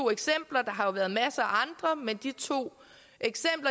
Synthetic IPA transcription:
o̝̰ːeɡ̥sem̰b̥lɐd̥ɑ̈ɦɑ̈jo̝ʋæːɐð̞̩ˠmæsəæɑ̈nd̥ʁɐmend̥it͡sʰo̝̰ː | ʔeɡ̥sem̰b̥lɐ

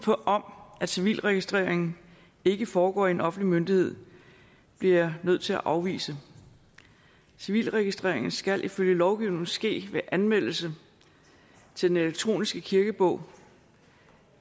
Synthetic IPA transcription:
pʰɒʔɒ̽mʔæ̥siʋḭːlʁɛɡ̥isd̥ʁeːɐ̰eŋn̩ | e̝ɡ̥əfɒːɡ̥ɒ̰ːienɒ̽fn̩dlimønd̥ihe̝ð̞̰ˠ | b̥liɐnøð̞̰ˠt͡sʰe̝æ̰ʔɑ̈ʊʋḭːsə | siʋḭːlʁɛɡ̥isd̥ʁḛɐ̰e̝ŋn̩sɡ̥ælʔiføljəlɒʊɡ̥iʊne̝ŋ̩sɡ̥e̝̰ːʋeʔænmel̰l̩sə | t͡sʰe̝d̥eneleɡ̥̚t͡sʰʁo̝̰ːnisɡ̥əkʰiɐɡ̥əb̥ɔ̽ʊ̰

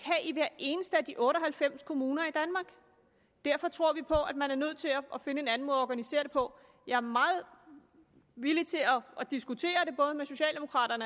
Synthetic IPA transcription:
kʰæʔiʋæɐ̰e̝ːnəsd̥əæd̥iʔɔ̽ːɾɒ̽ɦælfem̰skʰo̝muːnɐid̥ænmɑ̈ːɡ̥ | d̥æɐ̰fɒ̽t͡sʰʁo̝ɐ̰ʋipʰɒ̽ʔæd̥mænæɐnøð̞̰ˠt͡sʰe̝lɒʔɒ̽fe̝nəe̝næn̩mɔːðˠɒɡ̥ænise̝̰ɐɾ̥e̝pʰɒ̽ | jɑ̈æɐmɑ̈ːð̩ˠ | ʋilit͡sʰe̝lɒʔɒ̽d̥isɡ̥ut͡sʰe̝̰ːɐɾ̥e̝b̥ɔ̽ːð̞ˠmeso̝ɕɛ̰ːld̥e̝mo̝kʰʁɑ̰̈ːɾ̥ɐnə

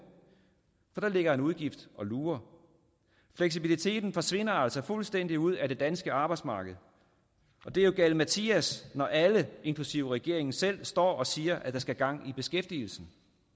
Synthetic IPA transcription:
fɒ̽d̥ɑ̈le̝ɡ̥ɐe̝nuð̞ˠɡ̥ifd̥ɒ̽luːɐ | fleɡ̥s̬ib̥ilit͡sʰe̝̰ːd̥n̩fɒ̽sʋe̝n̰ɐæl̰sɒ̽fulsd̥en̰d̥iuð̞̰ˠæd̥e̝d̥ænsɡ̥əɑ̈ːb̥ɑ̈ɪd̥smɑ̈ːɡ̥əð̞̩ˠ | ɒ̽d̥e̝ɐjo̝ɡ̥æl̰mæt͡sʰiæsnɒʔæləe̝nŋkʰlusiʊəʁɛɡ̥e̝ɐe̝ŋ̩sel̰sd̥ɒ̰ːɒ̽siːɐʔæd̥ɑ̈sɡ̥æɡ̥ɑ̈ŋ̰ib̥e̝sɡ̥efd̥il̩sn̩

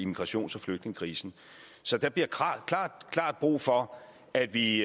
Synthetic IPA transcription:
imiɡ̥ʁɑ̈ɕo̝̰ːnsɒ̽fløɡ̥d̥ne̝ŋəkʰʁiːsn̩ | sɒ̽d̥ɑb̥liɐkʰɑ̰kʰlɑ̰̈ːd̥kʰlɑ̰̈ːd̥̚b̥ʁṵːfɒ̽ | æd̥ʋi

